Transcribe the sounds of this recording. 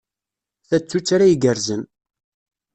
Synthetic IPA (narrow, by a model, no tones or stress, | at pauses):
θæt͡sːut͡sːaɾajiɡəɾzən